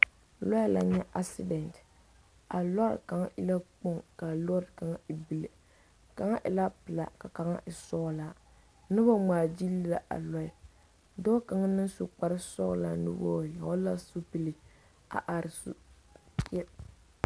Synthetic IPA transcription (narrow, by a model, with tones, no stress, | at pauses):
lɔ˦jla̰˨ɲɛ˦ʔa˦sɪ˦dɛ˨nt | a˨lɔ˦ɾ̰ka˨ŋ˦ʔɪ˦la˦k͡po˦ŋka˨lɔ˦ɾka˨ŋa˦i˨bi˦li˨ | ka˨ŋa˦ʔɪ˨la˦pɨ˨la̰˨ka˨ka˨ŋa̰˦ʔɪ˨sɔ˦la˨ | nɨ˦ba˦ŋ͡maː˨d͡ʒi˦li˦la˨ʔa̰˨lɔ˦ɪ˨ | dɔ˦ka˨ŋa˦nɨ˦nsʊ˨k͡pa˦ɾɪ˦sɔ̰˦la̰˨nɨ̰˦bɔ̰ː˦˨ja˨ɔ˦la˦su˦pi˨li˨ | a̰˨ʔa˨ɾɪ˨sṵ˦ | kɛ˦